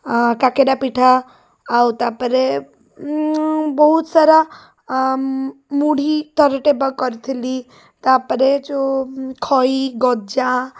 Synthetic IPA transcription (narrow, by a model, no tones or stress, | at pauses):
kakeɖapiʈʰaː | ut̪apəɾe | bɔɦut̪saɾa | muɽit̪əɾʈebəkɔɾt̪ʰili | t̪apəɾet͡ʃokʰɔiɡɔd͡ʒa